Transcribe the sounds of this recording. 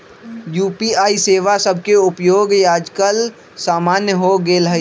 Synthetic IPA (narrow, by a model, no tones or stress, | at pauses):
juːpiaːiseːʋasəb̚ʱkeʊpjoːɡjaːd͡ʒkəl | saːmaːnjəɦoɡeːlɦə